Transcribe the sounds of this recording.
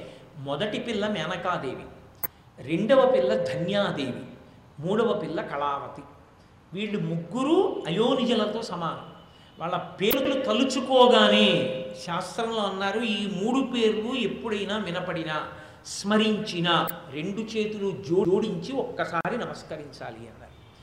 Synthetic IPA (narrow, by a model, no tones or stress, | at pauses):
mɔd̪ɐʈipilːɐmɛːnɐkaːd̪e̞ːʋḭ | ɾe̞ɳɖɐʋɐpilːɐd̪ʱɐnjaːd̪eːʋḭ | muːɽɐʋɐpilːɐkɐɭaːʋɐt̪i | ʋiːɭːumuɡːuɾuɐjoːnid͡ʒɐlɐt̪o̞ːsɐmaːɦɐm | ʋʔaːɭːɐpeːɾulut̪ɐlut͡ʃukɔːɡaːneːʃaːst̪ɾɐmloːɐnːaːɾuiːmuːɽupe̞ːɾulue̞pːuɽɐjnaːʋinɐpɐɽinɐ | smɐɾiɲt͡ʃinɐɾe̞ɳɖut͡ʃe̞ːt̪ulud͡ʒo̞ːo̞ːɽiɲt͡ʃiɔkːɐsaːɾinɐmɐskɐɾiɲt͡ʃa̰ːliɐ̰nːa̰ːɾu